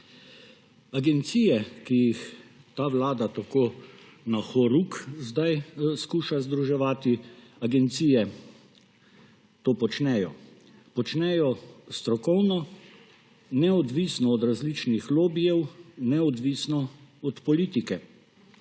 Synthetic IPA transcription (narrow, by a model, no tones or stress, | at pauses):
aɡɛnt̪siːjɛkijixt̪aːʋlaːd̪at̪akoː | naxɔɾukzd̪ajskuːʃazd̪ɾuʒɛʋaːt̪iaɡɛnt̪siːjɛ | t̪oːpɔt͡ʃnɛjɔ | pɔt͡ʃnɛjɔst̪ɾɔkɔwnɔ | nɛɔd̪ʋisnɔːd̪ɾazlit͡ʃnixloːbijɛwnɛɔd̪ʋiːsnɔɔt̪pɔliːt̪ikɛ